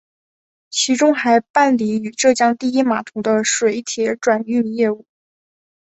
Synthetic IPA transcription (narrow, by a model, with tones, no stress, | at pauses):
t͡ɕʰi˧˥ʈ͡ʂʊ˥ŋxa˧˥ɪpa˥˩nli˧˥y˨˩ʈ͡ʂɤ˥˩t͡ɕjɑ˥ŋt̪i˥˩˧i˥ma˨˩t̪ʰʊ˧˥d̪ə˧ʂwe˧˩ɪt̪ʰjɛ˧˥ʈ͡ʂwa˨˩ny˥˧njɛ˥˧u˥˩